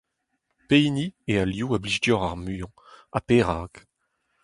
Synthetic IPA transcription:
pejniealjuːabliʒdjɔʁaʁmyːɑ̃ | a̰peːʁaːk

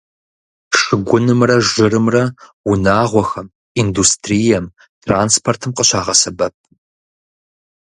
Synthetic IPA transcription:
ʂɨɡʷʊnɨmrɐʒɪrɨmrɐwʊnaːʁʷɔxɐm | iːndustʰrijɛm | tʰraːnspʰortʰɨmqəɕaːʁɐsɐbɐp̚

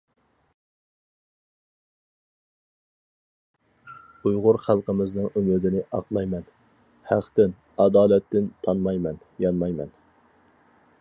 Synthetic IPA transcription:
ujʁʊɾχælˠqəmɪznɨŋymɪd̪ɪnɪʔɑqlˠɑjmɛn | hæqt̪ɪn | ɑd̪ɑːlɛt̪ːɪnt̪ʰɑnmɑjmɛn | jɑnmɑjmɛn

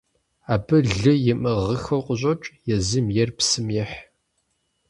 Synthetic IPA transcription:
aːbɨɮɨjɪmɨʁəxɐwqʷʼʊɕʼot͡ʃʼjɛzɨmjɛrpsɨmjɛħ

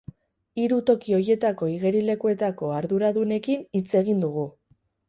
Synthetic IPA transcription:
iɾut̪o̞kio̞je̞t̪ako̞iɣe̞ɾile̞kue̞t̪ako̞aɾðuɾaðune̞kinit͡se̞ɣind̪uɣ̞u

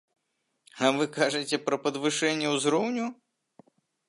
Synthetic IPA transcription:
ɐvɨkaʐɨt͡sʲɛpɾɐpɐd̪vɨʂɛnʲːɛwzɾɔwnʲu

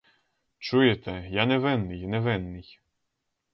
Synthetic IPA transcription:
t͡ʃujet̪ɛjanɛʋɛnːɪjnɛʋɛnːɪj

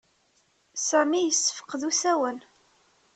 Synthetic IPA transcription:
sæmijəsːə̥fə̥qðusæwən

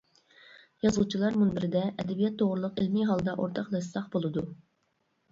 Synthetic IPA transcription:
jɑzut͡ʃʰilˠɑɾmunbɪɾɪd̪ɛʔɛd̪ɛbijɛt̪ʰːoʁɾulˠʊqelmiɦɑlˠd̪ɑʔoɾt̪ʰɑqlˠɛsɑqbolˠɨd̪u

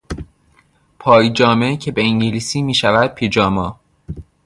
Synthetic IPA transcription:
pʰɒːjd͡ʒɒːmecʰebeiŋɟiliːsiːmiːʃævæd̪̥̚pʰiːd͡ʒɒːmɒː

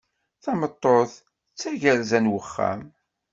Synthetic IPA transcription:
θɑmət̪ˤːoθ | t͡sːæʝəɾzænwəχːæ̰m

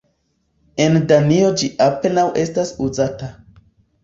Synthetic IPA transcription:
e̞ndanio̞d͡ʒiʔape̞nawʔe̞stasuzata

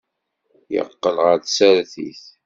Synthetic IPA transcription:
jə̰qːəlʁəɾθsæɾθiθ

